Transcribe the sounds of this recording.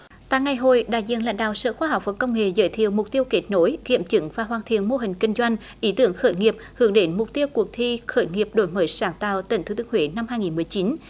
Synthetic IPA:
t̪a̰ː˧˨jŋa˨˩jɦo˧˨jɗa̰ː˧˨jzḭ˧˨nla̰˧˥jŋ̟ɗa̰ː˧˨wsə̰ː˧˨xwaː˧ɦa˨˩wk͡p̚və˨˩kə˧wŋ͡mŋḛ˧˨zə̰ː˧˦jt̪ʰḭ˧˨əwmʊ˨˩k͡p̚t̪i˧əwke˨˦t̚no˨˦jkḭ˧˨əmt͡ɕɨ˨˦ŋvaː˨˩ɦwaː˨˩nt̪ʰḭ˧˨ənmo˧ɦï˨˩ŋ̟kï˧ŋ̟zwa˧jŋ̟ | ʔi˧˦t̪ɨ˧˩əŋxəː˧˦jŋi˨˩əp̚hɨ˨˧˩əŋɗe˨˦nmʊ˨˩k͡p̚t̪i˧əwku˨˩ək̚t̪ʰi˧xəː˧˩jŋi˨˩əp̚ɗo˧˩˦jməː˨˦jsaː˧˨˦ŋt̪a̰ː˧˨wt̪ï˧˨˩ŋt̪ʰɨ˨˦t̪ɨ˧ə˧ŋhwḛ˧˦na˧mhaː˧jŋi˨˩nmɨ˨˩əjt͡ɕi˨˦n

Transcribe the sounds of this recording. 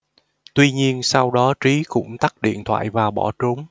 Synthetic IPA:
t̪wi˧ɲi˧ənsa˧wɗɔ˨˦t͡ɕi˨˦kʊ̰˧˥ŋ͡mt̪a˦˥k̚ɗḭ˧˨ənt̪ʰwa̰ː˧˨jvaː˨˩wɓɔ˧˩t͡ɕu˨˦ŋ͡m

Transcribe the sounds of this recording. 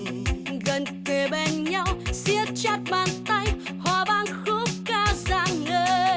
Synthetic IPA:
ɣə˨˩nt̪e˨˩ɓe˧nɲa˧wsḭ˧˥ət̚t͡ɕa˦˥t̚ɓaː˨nt̪a˧j | haː˧˩ɓaː˧˨nxu˧˦˥kaː˧zaː˧˩ŋnəː˧˦

